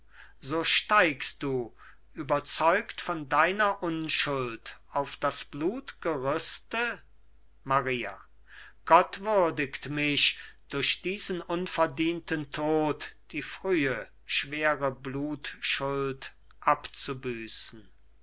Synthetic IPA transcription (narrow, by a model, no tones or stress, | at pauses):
zoːʃtaɪkst̚d̥uː | ʔyːbɐt͡sɔʏktfɔndaɪnɐʔʊnʃʊltaʊfd̥asb̥luːtɡ̥əʁʏstə | maʁiːa̰ | ɡ̥ɔtv̥ʏɐdɪktmɪɕd̥ʊɐɕd̥iːzənʊnfɛɐdiːntəntʰoːtd̥iːfʁ̥yːə | ʃv̥eːʁəbluːtʃʊlt | ʔapt͡subyːsn̩